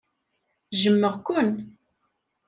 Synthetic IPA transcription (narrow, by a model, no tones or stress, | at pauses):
ʒəmːəʁkʊn